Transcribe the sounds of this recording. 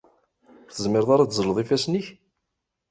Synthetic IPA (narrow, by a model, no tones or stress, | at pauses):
ɾθəzmɪɾðˤaɾad̪zˤələðˤifæsniç